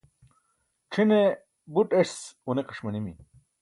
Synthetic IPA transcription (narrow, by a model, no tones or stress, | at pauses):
ʈ͡ʂʰine | buʈeʂsuneqɐ̥ʂmɐnimḭ